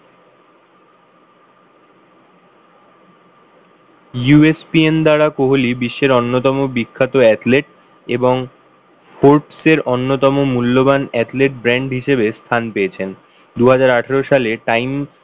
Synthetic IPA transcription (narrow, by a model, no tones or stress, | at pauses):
juespiend̪aɽakoɦolibiʃːeɾɔnːot̪ɔmobikʰːat̪oɛt̪leʈ̚ | eboŋ | foɾʈseɾonːot̪ɔmomulːobanɛt̪leʈ̚bɾɛɳɖɦiʃebest̪ʰanpeet͡ɕʰen | d̪uɦad͡ʑaɾaʈʰaɾoʃaleʈajm